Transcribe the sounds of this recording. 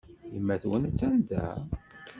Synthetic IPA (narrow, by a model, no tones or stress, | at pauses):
imːæθwənt͡sːænd̪æ̰